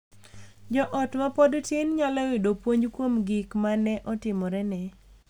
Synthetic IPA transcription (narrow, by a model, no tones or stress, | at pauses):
d͡ʒɔʔɔtmapɔdtenɲalawɪdopwoɲkwomɡikmanɛʔɔtɪmɔɾɛnɛ